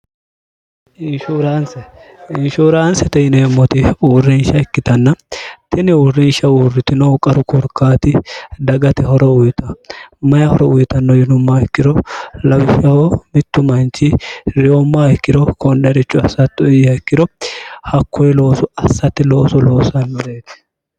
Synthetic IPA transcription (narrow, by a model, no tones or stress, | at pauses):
ɪnʃuːɾaːnsɛɪnʃuːɾaːnsɛt̪ɛɪneːmːɔt̪ɪuːrːɪnʃɐɪkːɪt̪ɐnːɐt̪ɪnɪuːrːɪnʃɐuːrːɪt̪ɪnɔkʼɐɾʊkʊɾkːaːt̪ɪd̪ɐɡɐt̪ɪhɔɾɔʊjt̪ɐmɐjɐhɔɾɔʊjɪt̪ɐnːɔjɪnʊmːaɪkːɪɾɔlɐwɪʃɐhomɪt̪ːʊmɐnt͡ʃɪɾɪjomːaːhɪkːɪɾɔkɔnd̪ɐɾɪt͡ʃʼːʊɐsɐt̪ːɔjɐɪkːɪɾɔhɐkʰːɔjɪlo̞ːsɔɐsːɐt̪ːɪlo̞ːsɔlo̞ːsɐnːɔd̪eːt̪ɪ̥